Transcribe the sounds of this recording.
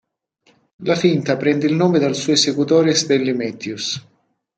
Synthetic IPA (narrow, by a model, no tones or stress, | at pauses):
lafint̪apɾɛnd̪ɪilnoːmed̪alsuːesekut̪ɔːɾesd̪ɛlːimɛt̪jus